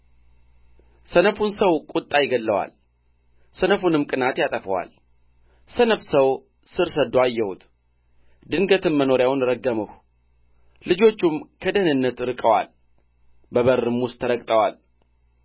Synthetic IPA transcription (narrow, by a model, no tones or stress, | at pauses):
sənəfunsəwkʼut̪ʼːajɪɡəlːəwa̰l | sənəfunɨmkʼɨnat̪jat̪ʼəfəwa̰l | sənəfsəw | sɨɾsəd̪uajːɛhut̪ʰ | d̪ɨŋɡət̪ʰɨnməno̞ɾjawnɾəɡːəməh | lɨd͡ʒo̞t͡ʃːumkʰəd̪ənɨnːət̪ɾɨkʼəwa̰l | bəβəɾːɨmʊst̪ʰːəɾəkʼt̪ʼəwa̰l